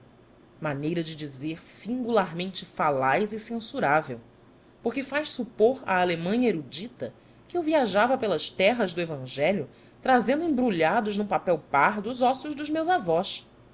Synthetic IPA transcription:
manejɾɐd͡ʒɪd͡ʒizeɾsĩŋɡulaɾmẽnt͡ʃɪfalajzɪsẽsuɾavḛw | poχkɪfajʃsupoɾa̰ːlemɐ̃ɲɐeɾud͡ʒit̪ɐ | kɪewviaʒavɐpelɐʃt̪ɛɦɐzd̪ʊevɐ̃ʒɛʎjʊ | t̪ɾazẽnd̪ʊẽbɾuʎad̪ʊʒnũpapɛwpaɾd̪ʊːzɔsʊʒd̪ʊzmewzavɔs

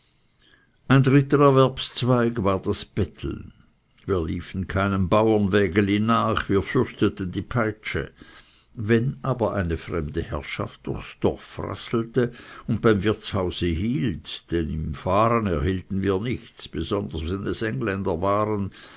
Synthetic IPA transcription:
ʔaɪndʁɪtəɛɐvɛɐpst͡sv̥aɪɡvaːɐd̥asb̥ɛtʰl̩ | viːɐliːfn̩kʰaɪnənbaʊɐnvɛːɡəliːnːaːχviːɐfʏʁçtətən̩diːpʰaɪt͡ʃə̰ | vɛnʔaːbɐʔaɪnəfʁɛmdəhɛ̰ʁʃa̰ft̚d̥ʊʁxsd̥ɔ̰ʁfʁa̰sl̩təʊnt̚b̥aɪmvɪɐt͡shaʊz̥əɦiːltd̥ɛnɪmfaːʁənɛɐhiːltn̩viːɐnɪçt͡sb̥əzɔndɐsvɛnnəsʔɛŋlɛndɐvaːʁən

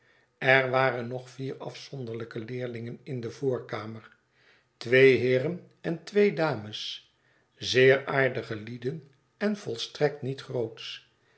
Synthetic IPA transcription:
ɛɹʋaːɾənɔχfiːrɑ̰fsɔnd̪əʁləkəlɪːɹlɪŋənɪndəvʊːɹkaːməɹ | tʋejɦɪːrən | ɛntʋejdaːməs | zɪːɾaːɹdəχəlidən | ɛnv̥ɔlˠstrɛk̚tnitχrowts

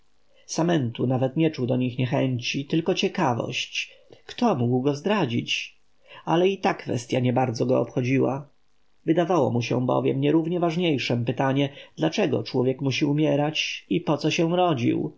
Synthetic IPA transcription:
samɛnt̪unavɛt̪ɲɛt͡ʂud̪ɔɲixɲɛxɛɲt͡ɕit̪ɘlkɔt͡ɕɛkavɔ̰ɕt͡ɕkt̪ɔmuɡwɡɔzd̪ɾad͡ʑit͡ɕ | alɛit̪akfɛ̰st̪ʲjaɲɛbaɾd̪zɔɡɔɔpxɔd͡ʑiwa̰ | vɘd̪avawɔ̰muɕɛ̰̃bɔ̰vʲjɛmɲɛɾuvɲɛvaʐɲejʂɛmpɘt̪aɲɛd̪lat͡ʂɛɡɔ̰t͡ʂwɔvʲjɛkmuɕiumʲjɛɾat͡ɕipɔt̪sɔɕɛ̃ɾɔd͡ʑḭw

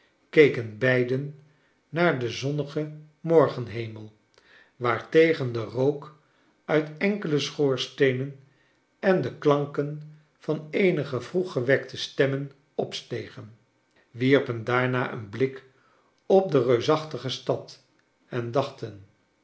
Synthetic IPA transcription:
kejkənbɛjdənː | aːɹdəzɔnəχə | mɔɹχənɦejməlˠ | ʋaːɹtejχəndərowk | œɥtɛŋkələsχoːɹstejnən | ɛndəklɑŋkən | v̥ɑnejnəχəvruχəʋɛktəstɛmən | ɔpstejχən | ʋiɹpəndaːɹnaːʔə̰nblɪk | ɔp̚dərøɥsɑχtəχəstɑt | ɛndɑχtən

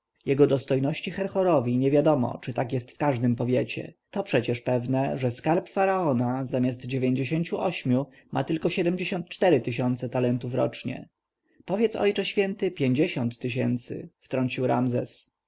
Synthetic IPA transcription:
jɛɡɔd̪ɔst̪ɔjnɔɕt͡ɕixɛɾxɔɾɔvʲiɲɛvʲjad̪ɔmɔ̰t͡ʂɘt̪akjɛst̪fkaʐd̪ɘmpɔvʲjet͡ɕɛ̰t̪ɔpʂɛt͡ɕɛʂpɛvnɛʐɛskaɾpfaɾaɔnazamʲjazt̪d͡ʑevʲjeɲd͡ʑeɕeɲt͡ɕuʔɔɕmʲju | mʔa̰t̪ɘlkɔɕɛd̪ɛmd͡ʑeɕɔ̃nt̪̚t͡ʂt̪ɛɾɘt̪ɘɕɔnt̪sɛt̪alɛnt̪ufɾɔ̰t͡ʂɲɛ̰ | pɔvʲjɛt̪sɔ̰jt͡ʂɛɕfʲjɛnt̪ɘpʲjeɲd͡ʑeɕɔnt̪ːɘɕ̬ɛ̰nt̪sɘ̰ft̪ɾɔɲt͡ɕiwɾa̰mzɛs

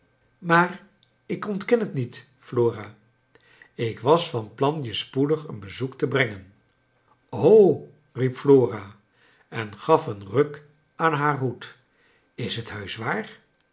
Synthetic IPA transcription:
maːr | ɪkɔntkɛnɦətnit | floːraː | ɪkʋɑsfɑnplɑnjəspudəχə̰nbəzuktəbrɛŋən | ow | ripfloːra | ɛnχɑfənrøk | aːnɦaːɹɦut | ɪsɦətɦœɥsʋaːr

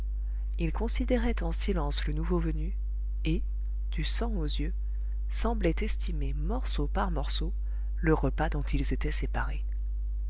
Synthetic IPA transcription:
ilkɔ̃sid̪eʁɛt̪ɑ̃silɑ̃slənuvovəny | e | d̪̥ysɑ̃ozjø | sɑ̃blɛt̪ɛst̪ʰimemɔʁsopaʁmɔʁso | ləʁəpad̪ɔ̃t̪ʰilzet̪ɛsepaʁe

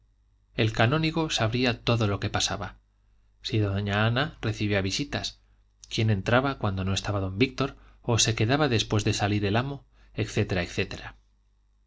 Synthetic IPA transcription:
e̞lkanõ̞niɣ̞o̞saβɾiat̪o̞ðo̞lo̞ke̞pasaβa | siðoɲaanare̞θiβjoaβisit̪as | kje̞nẽ̞nt̪ɾaβakwand̪o̞no̞e̞st̪aβaðo̞mbik̚t̪o̞ɾ | o̞se̞ke̞ðaβaðe̞spwe̞zðe̞saliɾe̞lamo̞ | e̞kθe̞t̪e̞ɾaekθe̞t̪e̞ɾa

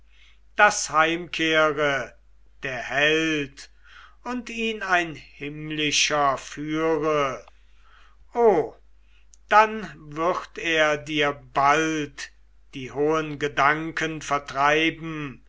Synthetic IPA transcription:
d̥ashaɪmkʰeːʁə | d̥eːɐhɛlt | ʊntiːnaɪnhɪmlɪʃɐfyːʁə | ʔoː | d̥anvɪʁteːɐdiːɐbalt | d̥iːhoːənɡədaŋkʰənfɛɐtʁ̥aɪbm̩

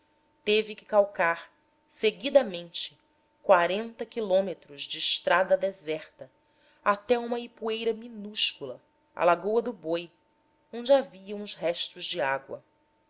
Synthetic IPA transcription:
t̪evɪkɪ̥kawkaɾ | seɡid̪ɐmẽnt͡ʃɪ̥ | kwaɾẽnt̪ɐkilõmet̪ɾʊzd͡ʒɪːʃt̪ɾad̪ɐd̪ezɛχt̪ɐ | at̪ɛũmɐipuejɾɐminuʃkulɐ | a̰laɡowɐd̪ʊboj | õnd͡ʒɪaviɐ̃w̃ʊzɦɛʃt̪ʊzd͡ʒɪaɡwɐ̰

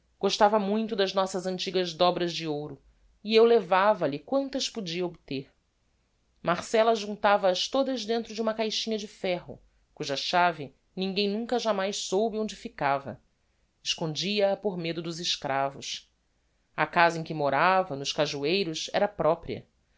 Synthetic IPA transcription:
ɡ̥oʃt̪avɐmũj̃t̪ʊd̪ɐznɔsɐzɐ̃nt͡ʃiɡɐzd̪ɔbɾɐzd͡ʒɪowɾʊ | iewlevavɐlɪkwɐ̃nt̪ɐspod͡ʒiɐobt̪eɾ | maχsɛlɐʒũnt̪avɐːʃt̪od̪ɐzd̪ẽnt̪ɾʊd͡ʒɪũmɐkajʃĩɲɐd͡ʒɪfɛɦʊ̰ | kuʒɐʃavɪ | nĩŋɡẽj̃nũŋkɐʒamajʃsowbɪõd͡ʒɪfikavɐ̰ | ɪʃkõnd͡ʒiɐːpoɾmed̪ʊd̪ʊzɪʃkɾʔavʊs | ɐkazɐẽkɪmoɾavɐnʊʃkaʒuejɾʊsɛ̰ɾɐpɾɔpɾḭɐ̰

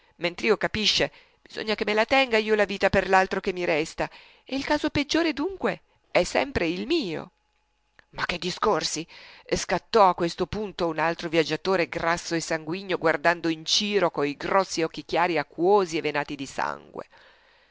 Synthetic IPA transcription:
ment̪ɾiːokapiʃːe | b̥izo̰ɲːakemːelat̪ɛŋɡaiːolaviːt̪aperlalt̪ɾokemːiɾɛst̪a | eilkaːzoped͡ʒːoːɾed̪uŋkwe | ɛsːɛ̰mpɾeilmiːo̰ | makːed̪ːiskorsiskat̪ːɔakːwest̪opunt̪ounalt̪ɾovjad͡ʒːat̪oːɾeɡrasːoesaŋɡwiɲːoɡward̪and̪oint͡ʃiːɾokoiɡɾɔsːiɔkːikjaːɾiakːwoːzievenaːt̪id̪isa̰ŋɡwḛ

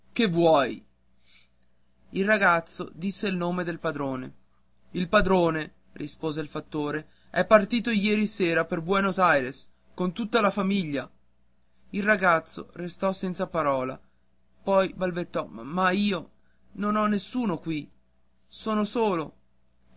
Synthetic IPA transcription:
kevːwɔj | ilraɡat̪sːod̪isːelnoːmed̪elpad̪ɾoːne | ilpad̪ɾoːne | rispoːzeilfat̪ːoːɾe | ɛpːart̪iːt̪ojɛːɾiseːɾaperbwɛnozajɾes | kont̪ut̪ːalafamiʎːa | ilraɡat̪sːo̰rest̪ɔsɛnt̪sapaɾɔːla̰ | pɔjbalbet̪ːɔmaiːo | nonɔnːesːuːnokwi | soːnosoːlo

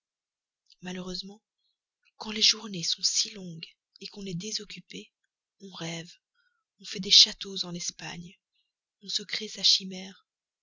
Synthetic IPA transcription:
maløʁøzmɑ̃ | kɑ̃leʒuʁnesɔ̃silɔ̃ɡ | ekɔ̃nɛd̪ezɔkʲype | ɔ̃ʁɛv | ɔ̃fɛd̪eʃat̪ozɑ̃lɛspaɲ | ɔ̃səkχesaʃimɛːʁ

